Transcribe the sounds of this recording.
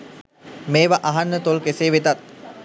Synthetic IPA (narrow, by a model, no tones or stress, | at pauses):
meːʋaʔaɦanːət̪olkeseːʋet̪at̪̚